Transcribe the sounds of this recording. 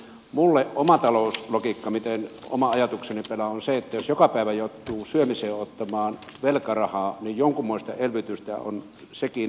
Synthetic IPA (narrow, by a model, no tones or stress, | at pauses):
mulːeʔʔomɑt̪ɑloˑuslokikːɑmit̪eno̰mɑɑjɑt̪uksenipelæonseet̪ːæjosjokɑpæˑiʋæjout̪ːuːsyømiseːot̪ːɑmɑːn | ʋelkɑrɑhɑːnijjoŋkumːoist̪ɑ̰elʋyt̪yst̪æ̰o̰n | seki